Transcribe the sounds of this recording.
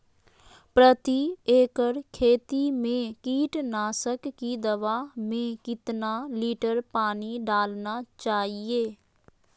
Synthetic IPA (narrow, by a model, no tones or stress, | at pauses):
pɾət̪ieːkəɾkʰeːt̪imẽkiːʈnaːsəkːid̪əʋaːmẽkɪt̪naliːʈəɾpaːniɖaːlnat͡ʃaːɦieː